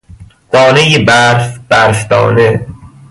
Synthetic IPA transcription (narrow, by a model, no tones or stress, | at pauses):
d̪̥ɒːnejebæɾfb̥æɾfd̪ɒ̰ːne